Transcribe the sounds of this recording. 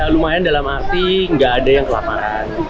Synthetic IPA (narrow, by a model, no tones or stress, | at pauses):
alumajandalamasiŋɡaːdajaŋkəla̰ma̰ɾan